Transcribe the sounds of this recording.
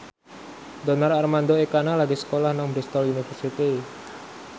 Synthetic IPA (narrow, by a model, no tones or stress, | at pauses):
d̪ɔnararmand̪oekanalaɡisə̥kolahnaŋbɾist̪ɔlunifərsit̪i